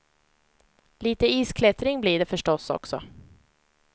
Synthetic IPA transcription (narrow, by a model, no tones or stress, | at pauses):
liːt̪əiːskʰlɛt̪ɾɪŋbliːɖɛfœʂʈɔsɔ̰ksɔ